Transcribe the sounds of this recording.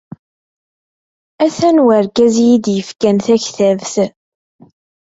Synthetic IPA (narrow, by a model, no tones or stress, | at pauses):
æθænwəɾkæzjid̪jəfkænθæçθævθ